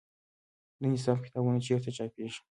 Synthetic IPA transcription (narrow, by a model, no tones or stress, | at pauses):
d̪ənɪsɑfkɪ̥t̪ɑbunat͡ʃeɾt̪at͡ʃɑpeʒi̥